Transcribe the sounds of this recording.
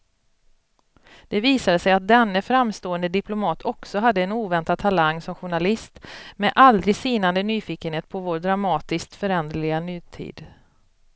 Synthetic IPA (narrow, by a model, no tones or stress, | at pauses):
d̪̥ɛviːsad̪əsɛjat̪̚d̪ɛnːəfɾamst̪oːənd̪əd̪ɪplʊmɑːt̪ʰɔksɔɦad̪ːəɛnuːvɛnt̪ad̪̚t̪ʰalaŋːsɔmɧʊɳalɪst̪mɛʔald̪ɾɪɡsiːnand̪ənyːfiːkənheːt̪̚pʰɔvoːɾɖɾamɑːt̪ɪskt̪fœɾɛnd̪lɪɡanyːt̪ʰḭːd̪̥